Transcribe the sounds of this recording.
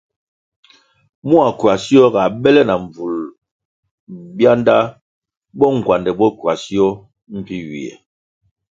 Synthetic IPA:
mu˦a˨kwa˨si˦ɔ˦ɡa˨bɛ˦lɛ˦na˨ɱ˨vu˨l | bja˦nda˦ | bɔ˦ŋ̩˨kwa˨ndɛ˨bɔ˦kwa˨si˦ɔ˦ | m̩˦pi˦ɥḭ˨ɛ̰˨

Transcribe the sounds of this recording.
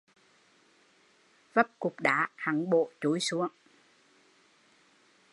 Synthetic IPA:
və˦˥p̚kʊ˨˩k͡p̚ɗaː˨˦haː˨˩ŋɓo̰˧˨t͡ɕu˨˦jsu˨˦əŋ

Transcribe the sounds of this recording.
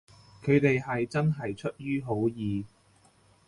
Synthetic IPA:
kʰɵ˨˧ɥt̪e˨jɦɐ˨jt͡sɐ˥nɦɐ˨jt͡ʃʰɵ˥t̚jyː˥ɦo˨˥wjiː˨˧

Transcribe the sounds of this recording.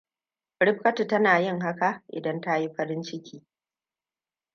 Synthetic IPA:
ɽɪ˦ɸ̚kɐ˦tu˨tɐ˦naː˨jɪ˦ŋɦa˦ka˨ʔʔɪ̰˨dɐ˦nta˦ji˦ɸɐ˦ɾɪ˦nt͡ʃɪ˦kʲiː˦

